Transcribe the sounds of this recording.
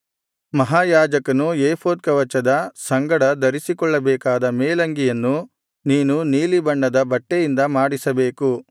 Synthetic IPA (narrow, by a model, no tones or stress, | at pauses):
mɐɦaːjaːd͡ʒɐkɐnujeːpʰoːd̪̚kɐʋɐt͡ʃːɐd̪ɐsɐŋɡɐɽɐd̪ɐɾisikɔɭːɐbɛːkaːd̪ɐmeːlɐŋɡijɐnːu | niːnuniːlibɐɳɖɐd̪ɐbɐʈːejind̪ɐmaːɽisɐbeːku